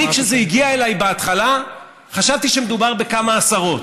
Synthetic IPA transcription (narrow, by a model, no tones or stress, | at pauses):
ikʃezeiɡiae̞lajbeat̪χala | χaʃavt̪iʃemed̪ubaʁbe̞kamaːsaʁo̞t